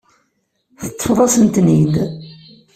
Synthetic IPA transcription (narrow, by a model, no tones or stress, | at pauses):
θət̪ˤːəfðˤɑsənt̪nid̪